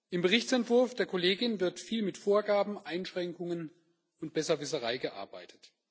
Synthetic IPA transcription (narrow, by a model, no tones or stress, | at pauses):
ʔɪmbəʁɪçt͡sɛntv̥ʊɐfd̥eːɐkʰoleːɡɪnvɪɐtfiːlmɪtfoːɐɡaːbm̩ʔaɪnʃʁ̥ɛŋkʊŋən | ʊnt̚b̥ɛsɐvɪsəʁaɪɡəʔa̰ɐba̰ɪtʰə̥t